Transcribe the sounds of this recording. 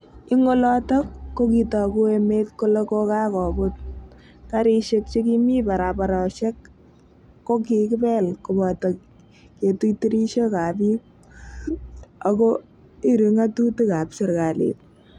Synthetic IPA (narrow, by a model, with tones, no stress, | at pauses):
ɪ˦ŋo˦lɔtɔ˦kːo˦ki˨tɔ˨ku˦e˧met̚ko˦lo˦ko˦ka˦kɔ˨bʊt̚ | ka˦ɾi˦ʃe˦k̚t͡ʃe˦ki˦mi˦pa˨ɾapa˨ɾɔ˨ʃɛ˦kː | o˦kikɪ˦pɛ˦lko˨bɔ˨tɔ˨k | ke˨tuti˦ɾi˦ʃo˦ka˨pi˦k̚ | a˨ko˦ | i˦ɾi˨ŋa˦tu˦tu˦ka˨psɪ˦ɾka˨lḛ˨t̚